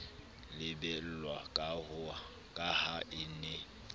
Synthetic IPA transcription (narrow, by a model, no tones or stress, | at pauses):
lɪbɛl̩lwakʼahʊa | kʼahaʔɪnɛ